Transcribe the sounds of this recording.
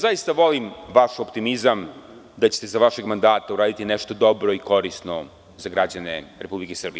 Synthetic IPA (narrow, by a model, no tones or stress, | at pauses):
zaist̪aʋo̞limʋaʃopt̪imizam | d̪at͡ɕet̪e̞zaʋaʃe̞ɡmand̪aːt̪auɾaːd̪it̪inɛʃt̪o̞d̪o̞bɾo̞iko̞ɾisno | zaɡɾad͡ʑaneɾepublikesr̩bij